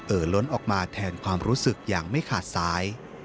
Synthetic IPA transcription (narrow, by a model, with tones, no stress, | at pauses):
ʔɤː˨˩lo˦˥nʔɔː˨˩k̚maː˧t̪ʰɛː˧nkʰwaː˧mɾuː˦˥sɯ˨˩k̚jaː˨˩ŋma˥˩jkʰaː˨˩t̪̚saː˨˦˥j